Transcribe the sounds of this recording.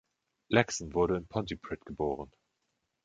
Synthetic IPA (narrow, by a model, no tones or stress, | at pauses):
lɛksn̩vʊɐɾəɪnpʰɔntipʁ̥ɪtɡ̥əboːʁ̞ən